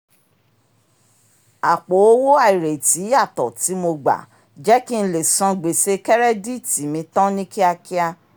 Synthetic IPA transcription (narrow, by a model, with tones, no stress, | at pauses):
a˨k͡po˨˦o˦wo˦a˦˨i˨ɾe˨ti˨˦a˦˨tɔ˨ti˨˦mo˧ɡ͡ba̰˨ | d͡ʒɛ˦ki˦n̩˧˦le˦˨sã˧ɡ͡be˨se˧kɛ˦ɾɛ˦di˦˨ti˨mĩ˧tɔ̃˦nĩ˦ki˦a˧ki˦a˧